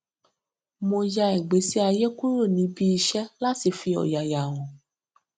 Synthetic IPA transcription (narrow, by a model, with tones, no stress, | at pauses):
mo˧d͡ʒa˧ɛ˨ɡ͡be˨˦si˦a˧je˦ku˦ɾo˦˨nĩ˨˦bi˦i˧ʃɛ˦la˦ti˨fi˧ɔ̰˨ja˨ja˨w̃ɔ̃˨